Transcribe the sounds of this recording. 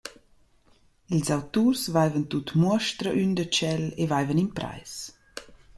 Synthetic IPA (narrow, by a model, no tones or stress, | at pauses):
ilzawt̪ursvajvənt̪ut̪muəʃtɾəʔynd̪ət͡ʃɛlevajvəninpɾa̰js